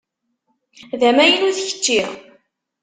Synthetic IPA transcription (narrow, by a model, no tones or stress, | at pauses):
ðæmæjənuθçə̥t͡ʃːi